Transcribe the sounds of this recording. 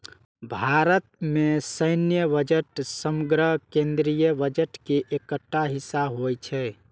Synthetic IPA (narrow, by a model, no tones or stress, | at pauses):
bʱaɾət̪̚mesəɪnjəβəd͡ʒeʈsəmuɡɾəkẽnd̪ɾijəbəd͡ʒeʈkeʔekəʈːaɦisːaɦojt͡ʃʰɛ